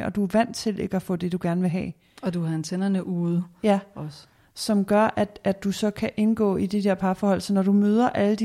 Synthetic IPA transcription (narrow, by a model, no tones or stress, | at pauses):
ɒ̽d̥uæʋæn̰dt͡sʰe̝le̝ɡ̥əæfɔ̰̽ːd̥e̝d̥uɡ̥æɐnʋe̝ɦɛ̰ː | ɒd̥uɑent͡sʰenɐnəʔuːð̩ˠjæs | sɒ̽mɡ̥ɶɐʔæd̥æd̥ːusɒ̽kʰæʔe̝nɡ̥ɔ̰̽ːid̥ed̥eɐ̰pʰɑ̈fɒːɒ̽l̰sɒnɒd̥umøːð̞ˠɐʔæləd̥i